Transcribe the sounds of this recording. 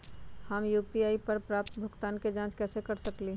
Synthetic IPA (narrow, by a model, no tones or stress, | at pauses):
həmjuːpiaːipəɾpɾaːp̚t̪bʱʊkt̪aːnked͡ʒãːt͡ʃkɛːsekəɾsəkliː